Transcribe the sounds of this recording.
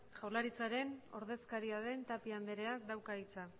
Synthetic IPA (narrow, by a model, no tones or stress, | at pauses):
ʝawlaɾit͡saɾe̞no̞̰ɾðe̞skaɾiaðe̞nt̪apiand̪eɾe̞ak̚d̪awkait͡sa